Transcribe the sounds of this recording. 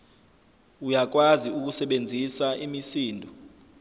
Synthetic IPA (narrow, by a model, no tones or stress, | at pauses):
ujak̬waziuk̬usɛɓend͡zʱisaʔimisiːndʱɔ